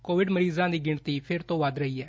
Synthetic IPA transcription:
koːʋɪɖməɾiːzãːd̪iːɡɪɳt̪iːpʰɪɾt̪õːʋəd̪ɾəiːɛː

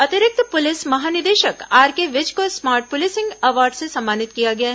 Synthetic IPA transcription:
ɐt̪ɪɾɪk̚t̪pʊlɪsmɐɦaːnɪd̪eːʃəkaːɾkeʋɪd͡ʒkosmaːɾʈ̚pʊlɪsɪ̃ŋɡɐʋaːɾɖsesɐ̃mːaːnɪt̪kijaɡɐjaɦ

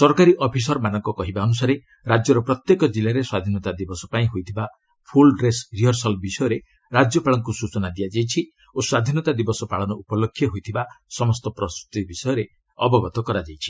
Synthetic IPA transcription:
sɔɾkaɾiʔɔpʰis̬ɔɾmanɔŋkɔkɔɦibaɔnusaɾe | ɾad͡ʒjɔɾɔpɾɔt̪jekɔd͡ʒilaɾeswad̪ʱinɔt̪ad̪ibɔsɔpaĩɦojt̪ʰiba | pʰulɾesɾiɦɔɾsɔlbisɔjɔɾe | ɾad͡ʒjɔpaɭɔŋkusut͡ʃɔnad̪ijad͡ʒajt͡ʃʰi | oswad̪ʱinɔt̪ad̪ibɔsɔpaɭɔnɔʔupɔlokʰːjɔɦojt̪ʰibasɔmɔst̪ɔpɾɔst̪ɾut̪ibisɔjɔɾe | ɔ̰bɔbɔt̪ɔkɔɾad͡ʒajt͡ʃʰi̥

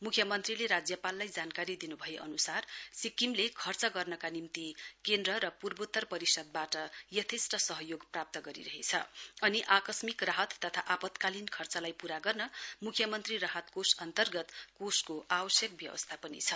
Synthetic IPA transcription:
mukʰjʌmʌnt̪rileɾad͡zjʌpalːajd͡zankaɾid̪inubʱʌjeʔʌnusarsikimlekʰʌrt͡sʌɡʌrnʌkanimt̪ikend̪rʌɾʌpurbot̪ːʌrpʌɾisʌd̪̚baʈʌjʌt̪ʰesʈʌsʌɦʌjoɡprap̚t̪ʌɡʌɾḭɾʌɦet͡sʰʌ̰ʌniʔakʌsmikraɦʌt̪ːʌt̪ʰaʔapʌt̪kalinkʰʌrt͡sʌlajpuɾaɡʌrnʌmukʰjʌmʌnt̪riraɦʌt̪kosʌnt̪ʌrɡʌt̪koskoʔabʌsjʌk̚bjʌbʌ̰st̪ʰapʌnḭt͡sʰʌ

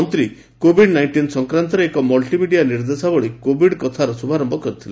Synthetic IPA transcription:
ɔnt̪ɾi | kobʱiɖnajnʈinsɔŋkɾant̪ɔɾeekɔmɔlʈimiɖijaniɾd̪esabɔɭikobʱiɽkɔt̪ʰaɾɔsubʱaɾɔmbɔkɔɾit̪ʰila

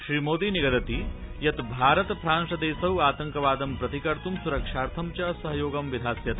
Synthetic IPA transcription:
ʃɾiːmoːd̪iniɡɐd̪ɐt̪i | jɐt̪bʱaːɾɐt̪pɾaːnʂɐd̪eːsɐɦwaːt̪ɐŋkɐʋaːd̪ɐmpɾɐt̪ikɐɾt̪umsuɾɐkʂaːɾt̪ʰɐmt͡ʃɐsɐɦɐjoːɡɐmʋid̪ʱaːsjɐt̪

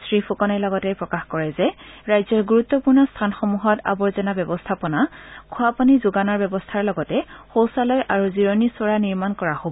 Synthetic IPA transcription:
sɹifʰukɔnajlɔɡɔtɛjpɹɔkaxkɔɹɛzɛɹajzɔɹɡuɹutːɔpuɹnɔstʰanxɔmuɦɔta̰bɔɹzɛnabɛbɔstʰapɔnakʰuapanizuɡanɔɹbɛbɔstʰaɹlɔɡɔtɛxowsalɔjʔaɹuziɹɔnisɔɹaniɹmankɔɹahobɔ

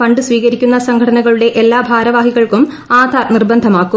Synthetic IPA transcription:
ɐɳɖɨsʋiːɣɐɾikʲːunːɐsɐŋkʰɐʈʰɐnɐɣɐɭuɽe̞ʔelːaːbʱaːɾɐʋaːhiɣɐɭkum | aːd̪ʱaːrnirbɐnd̪ʱɐmaːkːu

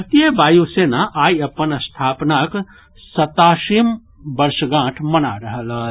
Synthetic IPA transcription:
ɐt̪iəbaːjusenaʔaːiəpənəst̪ʰaːpnak | sət̪aːʃim | bəɾʃɡãːʈʰmənaɾəɦələ

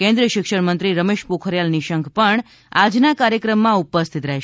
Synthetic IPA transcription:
kẽnd̪ɾiəʃɪkʃəɽmənt̪ɾiɾəmeʃpokʰəɾjalniʃəŋkʰpəɳ | ad͡ʒnakaɾjəkɾəmːãupəst̪ʰit̪ɾɛɦ

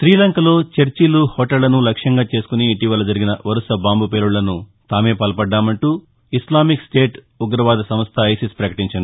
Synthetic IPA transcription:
sɾiːlɐŋkɐlo̞ːt͡ʃeɾt͡ʃiluhoːʈɐlːɐnulɐkʂjɐŋɡaːt͡ʃe̞ːsu̥kuniːʈiʋɐlɐd͡ʒɐɾiɡinɐʋɐɾusɐbaːmbʱupe̞ːɾuɭːɐnut̪aːme̞ːpɐlɐpɐɖːaːmɐɳʈuː | islaːmiksʈe̞ːʈ | uɡɾɐʋaːd̪ɐsɐmɐst̪ʰɐːjsispɾɐkɐʈiɲt͡ʃɐnd̪i

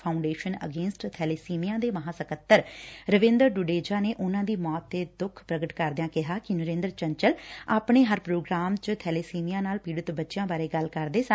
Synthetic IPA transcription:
pʰaːʊɳɖeːʃənə̰ɡeːnsʈt̪ʰɛːleːsiːmijãːd̪eːməɦãːsəkət̪ːəɾɾəʋɪ̃nd̪əɾɖʊɖeːd͡ʒaːneːʔʊnãːd̪iːmɔːt̪ːeːd̪ʊkʰpɾəɡəʈkəɾd̪jãːkɪɦaːkɪnəɾẽːnd̪əɾt͡ʃəɲt͡ʃəlaːpɳeːɦəɾpɾoːɡɾaːmt͡ʃt̪ʰɛːleːsiːmijãːnaːlpiːɽət̪bətːʃɪjãːbaːɾeːɡəlkəɾd̪eːsə

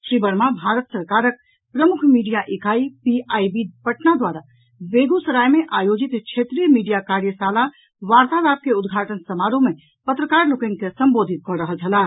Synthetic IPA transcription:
ʃɾibəɾmabʱaɾət̪səɾkaɾək̚ | pɾəmukʰmiɖijaʔikʰaipiʔajbipəʈnad̪waɾa | beɡusəɾajmeʔajod͡ʒit̪kt͡ʃʰet̪ɾijəmiɖijakaɾjəsala | ʋaɾt̪abap̚keud̪ɡʱaʈənsəmaɾõme | pət̪ɾəkaɾlokənkesəmbod̪ʱit̪̚kɔɾəɦəlt͡ʃʰəla

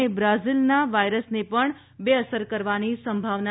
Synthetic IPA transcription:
ebɾazilnaʋajɾəsnepəɳ | beəsəɾkəɾʋanisəmbʱaʋna

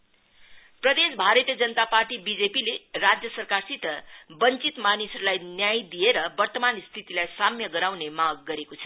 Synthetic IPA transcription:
prʌd̪esbʱaɾʌt̪ijʌd͡zʌnət̪aparʈibid͡zepilerad͡zjʌsʌrkarsit̪ʌbʌnt͡sit̪manisʌɾulajnjajd̪ieɾʌbʌrt̪ʌmanst̪ʰit̪ilajsamjʌɡʌɾawnemaɡ̚ːʌɾekot͡sʰʌ̥

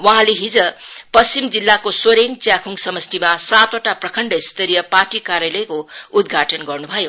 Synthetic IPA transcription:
wʌɦãleɦid͡zʌpʌst͡simd͡zilːakosoɾeŋt͡sjakʰuŋsʌmʌst̪imasat̪oʈaprʌkʰʌɳɖʌist̪ʌɾijʌparʈikaɾjalʌjkoud̪ɡʱaʈʌnɡʌrnubʱʌjo

